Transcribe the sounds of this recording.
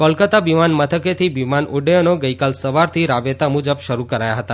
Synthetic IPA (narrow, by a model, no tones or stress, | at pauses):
kɔlkət̪aʋimanmət̪ʰəket̪ʰiʋimanuɖeonoɡəikalsəʋaɾt̪ʰiɾabet̪amud͡ʒəbʃəɾukəɾajaɦət̪a